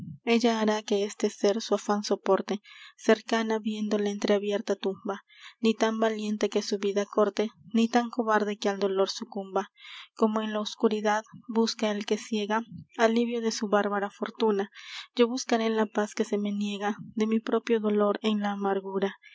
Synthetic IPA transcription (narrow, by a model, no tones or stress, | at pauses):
e̞ʝaːɾakeest̪eseɾsuafanso̞po̞ɾt̪eseɾkanaβje̞nd̪o̞laent̪ɾeaβje̞ɾt̪at̪umba | nit̪ambalje̞nt̪e̞kesuβiðakoɾt̪enit̪aŋkoβaɾðe̞keald̪oloɾsukumbakomoenlaoskuɾiðaðbuskaelkesje̞ɣaaliβjoðesuβaɾβaɾafoɾt̪unad͡ʒo̞βuskaɾelapaskesemenjeɣad̪e̞mipɾo̞pjo̞ðoloɾenlaːmaɾɣuɾa